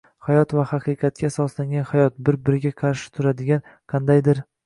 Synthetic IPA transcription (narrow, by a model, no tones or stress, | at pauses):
hajɒt̪vahɑqɨqʰɑt̪̚kʲasɒslaŋɡʲanhajɒt̪̚bɪɾbɪɾɪɡʲaqʰɑɾʃɪ̥t̪ʰʊɾad̪ɪɡʲan | qʰɑnd̪ajd̪ɪɾ